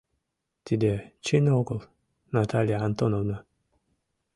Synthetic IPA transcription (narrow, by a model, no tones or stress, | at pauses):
t̪ʲid̪ʲet͡ʃinokolˠ | nat̪alʲijaant̪onovna